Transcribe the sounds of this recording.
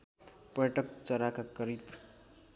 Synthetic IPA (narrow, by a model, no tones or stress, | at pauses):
pʌʈʌk̚t͡sʌɾakakʌɾit̪